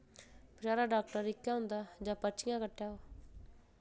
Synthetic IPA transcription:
pɪt͡ʃaːɾaːɖaːk̚ʈəɾɪkːjaːɦʊ̃nd̪aːd͡ʒãːpəɾt͡ʃɪjãːkəʈːjaːoː

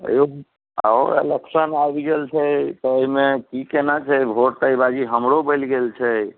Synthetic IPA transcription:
ə̰jo | a̰o̰ḛleksənajbɡelt͡ʃʰət̪ɔːimekikenat͡ʃʰɛbʱoʈt̪əibad͡ʒiɦəmɾobəlɡelt͡ʃʰɛ

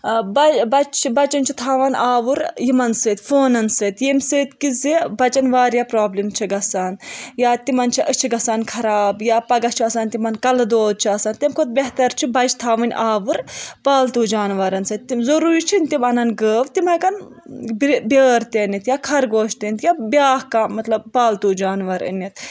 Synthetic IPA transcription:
bɐbɐt͡ʃʰbɐt͡ʃɐnt͡ʃʰit̪ʰaːʋɐnaːʋuɾjimɐnsɨːt̪ʲfoːnɐnsɨːt̪jemsɨːt̪kizibɐt͡ʃɐnʋaːɾjapɾaːblimt͡ʃʰiɡɐsaːnjaːt̪imɐnt͡ʃʰiʔət͡ʃʰiɡɐsaːnkʰɐɾaːbjaːpɐɡɐt͡ʃʰiɐsaːnʲt̪imɐnkɐld̪oːd̪̚t͡ʃʰiɐsaːnt̪emkʰot̪̚bʲeɦt̪ɐɾt͡ʃʰibɐt͡ʃt̪ʰaːʋɐnʲʔaːʋɨɾpaːlt̪uːd͡ʒaːnʋɐɾɐnsɐt̪ːizɐɾuːɾit͡ʃʰinʲt̪imɐnɐnɡəːʋt̪imɐkɐn | bbʲəːɾt̪eːnit̪jaːkʰɐɾɡoːʃt̪eːnʲt̪jabʲjaːhkaːmɐt̪lɐbpaːlt̪uːd͡ʒaːnʋɐɾə̰nʲːit̪̚

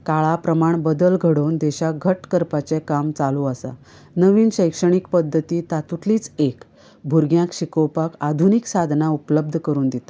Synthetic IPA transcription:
kaɭapɾəmaɳbəd̪əlɡʱəɽownd̪ɛɕaɡʱəʈkəɾpat͡sekamt͡saluəsa̰ | nəʋiːnɕəjkʂəɳ̃ikpəd̪ʱːət̪iːt̪at̪uʈliːt͡sek | bʱuɾɡjãkɕikəwpakad̪ʱuniksad̪ʱnaupləb̚d̪ʱəkəɾuːnd̪it̪a

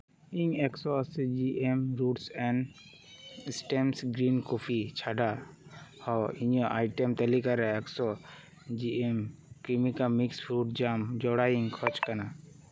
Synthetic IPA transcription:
ĩŋeksɔsd͡ʒiʔemɾuːʈsɛn | sʈemsɡɾiːnkopʰit͡ʃʰaːɖa | hɔiɲɔ̃ʔaːiʈemt̪əlikaɾaeksɔ | d͡ʒiemkimikamikspʰɾuːʈ̚d͡ʒaːmd͡ʒɔɽaĩŋkʰɔt͡ʃkəna

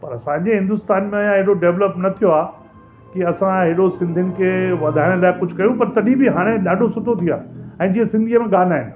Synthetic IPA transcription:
pɐɾɐsãːɲd͡ʑeɦɪ̃nd̪ʊst̪aːnmẽɐjãɦɪɦɽoɖeʋləpnɐt̪ʰijoaː | kiɐsãɦɪɽosɪ̃nd̪ʱɪnɪ̆kʰeːʋɐd̪ʱaːɪɽ̃laːɪkʊd͡ʑʱʊkɐjũpɐɾt̪ɐɗĩbɪɦaːɽ̃eɗaːɖʱosʊʈʰot̪ʰija̰ːɛ̃ːd͡ʑiːəsɪ̃nd̪ʱiəmẽɠaːnaːɦɪnɪ̆

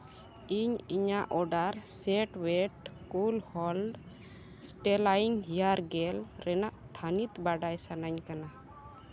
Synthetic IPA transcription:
iɲiɲaʔɔɖaɾsɛʈwɛʈkulhɔlɖ | sʈɛlaiŋɦijaɾɡɛlɾɛnaʔt̪ʰanit̪baɖajsanaɲkana

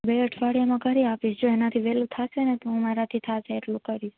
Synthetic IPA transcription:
beəʈʰʋaɽijamãkəɾiafiʃd͡ʒoenat̪ʰiʋelut̪ʰasenet̪õmaɾat̪ʰit̪ʰaseːʈlũkəɾiʃ

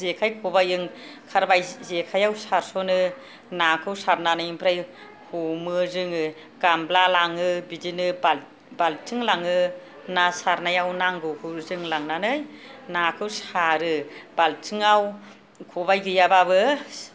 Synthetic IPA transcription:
zekʰajkʰɔbajɯŋkʰaɾbajzekʰajawsaɾsɔnɯ | nakʰɯwsaɾnanɯjmpʰɾaj | humɯzɯŋɯ | ɡamblalaŋɯbidinɯb | baltʰɯŋlaŋɯ | nasaɾnajawnaŋɡɯhuzɯŋlaŋnanɯjnakʰɯwsaɾɯbaltʰɯŋaw | kʰɔbajɡɯjabaβɯ

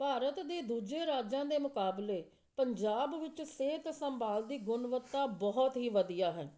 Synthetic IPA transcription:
paːɾət̪d̪eːd̪uːd͡ʒeːɾaːd͡ʒãːd̪eːmʊkaːbleː | pəɲd͡ʒaːbʋɪt͡ʃseːt̪səmbaːld̪iːɡʊnʋət̪ːaːbɔɦɔt̪ɦiːʋəd̪ijaːɦɛː

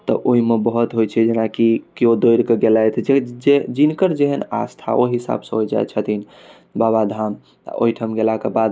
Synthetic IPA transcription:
t̪ɔ̰ʔoɦimebəɦut̪ɦojt͡ʃʰɛd͡ʒenakikeod̪ojɾkeɡelajt̪ʰd͡ʒed͡ʒed͡ʒinkəɾd͡ʒeɦəna̰st̪ʰa̰ʔoɦisa̰bsə̃ɦojd͡ʒa̰et͡ʃʰət̪in | babad̪ʱam̰ | ʔo̰iʈʰəmɡelakebad̪

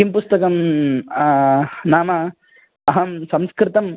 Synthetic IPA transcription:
impʊst̪ɐkɐm | naːmɐ | ɐɦɐmsɐmskɾɪt̪ɐm

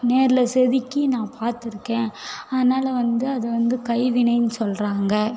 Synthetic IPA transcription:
neːɾɪlɐsɛðɪkːinãːpaːɾt̪ɪɾɯkːẽːɐðɐnaːlɐʋɐnd̪ɯɐðɐʋɐnd̪ɯkɐɪʋɪɳɐɪnɯsɔlraːŋɡɐ

